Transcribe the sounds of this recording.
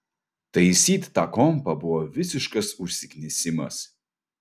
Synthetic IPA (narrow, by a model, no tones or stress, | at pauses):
t̪ɐjsʲiːt̪ːakɔmpɐbuwɔvʲɪsʲɪʃkɐsuʃʲsʲɪkʲnʲɪsʲɪmɐ̰s